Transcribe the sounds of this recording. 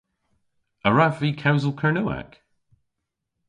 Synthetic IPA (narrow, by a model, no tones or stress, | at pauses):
əɹavikʰawzəl̩ˠkʰəɹnua̰k